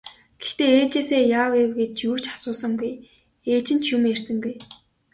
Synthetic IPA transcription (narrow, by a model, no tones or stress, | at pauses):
ɡ̥ext̪eːeːt͡ɕeːseːjaːwewɡet̪̚t͡ɕjuːt͡ɕḁsʊːsə̆ŋɡuj | eːt͡ɕɪ̆n̥t͡ɕjumersɘ̆ŋɡuj